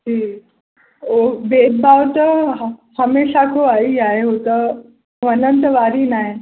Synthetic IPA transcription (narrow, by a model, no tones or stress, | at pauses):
d͡ʒiː | obeːd̪̚bʱaʋt̪əhəmeɕakoaiaɦeɦot̪ə | ʋənənt̪əʋaɾiːnaɦe